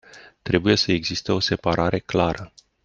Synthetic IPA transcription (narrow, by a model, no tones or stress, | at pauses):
t̪ɾe̞buje̞səeɡzist̪eo̞se̞paɾʔaɾʔe̞klaɾə